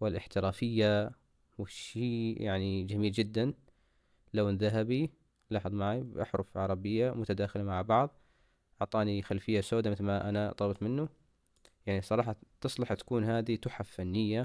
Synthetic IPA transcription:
wɪlʔɪħt̪ɪɾaːfɪjːa | wɪʃiːja̰ʕnid͡ʒamiːld͡ʒɪd̪ːan | lawnðaɦabi | lɑːħɨðˤmaʕibʔɑ̰ħɾʊfʕɑɾˤɑbɪjːamʊt̪ad̪aːxɪlamaʕbɑʕðˤ | ʔɑʕt̪ˤɑːnixalfɪjːasoːd̪amɪθlmaʔa̰nat̪ˤɑlɑbt̪ˤmɪnːu | jaʕnisˤɑɾˤɑːħɑt̪ɨsˤlɑħt̪ḁkuːnhaːd̪it̪ʊħaffːanːɪjːa

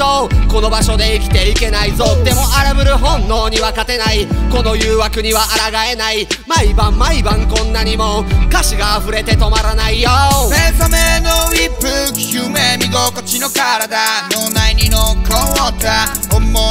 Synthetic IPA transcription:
oko̞no̞baɕo̞d̪e̞ikʲi̥t̪e̞ike̞naizod̪e̞mo̞ʔaɾɯbɯ̟ɾɯ̟ɦõ̞nːo̞ːɲ̟iβakat̪e̞naiko̞no̞jɯ̟ːβakɯ̟ɲ̟iβaʔaɾaɡae̞naimaibãmːaibãŋkõ̞nːaɲ̟imokaɕiɡaːɸɯ̟ɾe̞t̪e̞t̪o̞maɾanaijosesamenoipːɯ̟kʲɯmemʲiɡokot͡ɕino̞kaɾad̪anonaiɲʲinokõot̪a | omːo

